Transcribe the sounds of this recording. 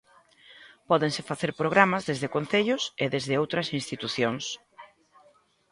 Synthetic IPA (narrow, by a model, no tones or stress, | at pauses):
pɔðeŋsɪfaθeɾpɾoɣ̞ɾamɐzðezðɪkon̟θeʎʊseðezðɪowt̪ɾɐsinst̪it̪uθjoŋs